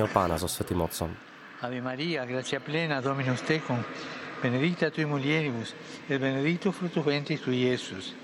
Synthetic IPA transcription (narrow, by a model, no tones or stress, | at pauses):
ɔpanasɔsfot̪imɔt̪sɔn | aβemaɾiaɣɾasjaplenaðominust̪ekoŋb̥eneðit̪at̪uimuljeɾiβus | elβeneðit̪ufɾut̪uβẽnt̪ist̪ujesus